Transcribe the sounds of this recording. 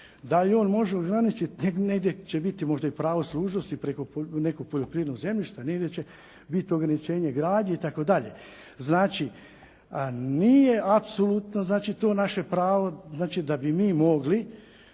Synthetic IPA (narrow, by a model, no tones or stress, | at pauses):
d̪alio̞ːnmo̞ʒeo̞ɡɾanit͡ʃit̪neneɡd̪jet͡ʃebit̪imo̞ʒd̪aipɾaːʋoslˠuːʒnost̪ipɾeko̞ne̞ko̞ɡ̚poʎo̞pɾiːʋeɾnoɡze̞mʎiʃt̪ane̞ɡdjet͡ɕe | bit̪ioɡɾanit͡ʃe̞ːɲe̞ɡɾaːd̪ɲeit̪ako̞d̪aʎḛ | znaːt͡ʃi | niːje̞apsolut̪noznaːt͡ʃit̪o̞ːnaʃepɾaːʋoznaːt͡ʃid̪abimiːmo̞ɡli